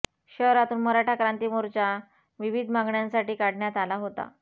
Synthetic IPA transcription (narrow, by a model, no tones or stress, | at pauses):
ɕəɦɾat̪uːnməɾaʈʰakɾant̪iːmoɾt͡ɕa | ʋiʋid̪ʱmaŋɡɳjãnsaʈiːkaɽɳjat̪alaɦot̪a̰